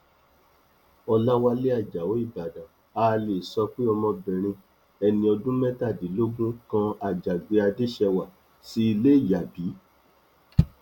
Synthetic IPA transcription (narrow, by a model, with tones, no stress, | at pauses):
ɔ˧la˦wa˧le˦a˦˨d͡ʒa˨wo˨˦i˦˨ba˨dã˨ | a˧˦˧le˨sɔ˧k͡pe˦ɔ˧mɔ̃˧bɛ˨ɾ̃ĩ˧ | ɛ˧nĩ˧ɔ˧dũ˦mɛ̃˦ta˦˨di˨˦lo˦ɡũ˦kã˧a˨d͡ʒa˨ɡ͡be˧a˧de˦ʃɛ˧wa˨ | si˦i˧le˦i˦˨ja˨bi˨˦